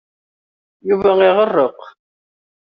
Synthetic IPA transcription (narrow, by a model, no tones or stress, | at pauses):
juvæɪʁərːəq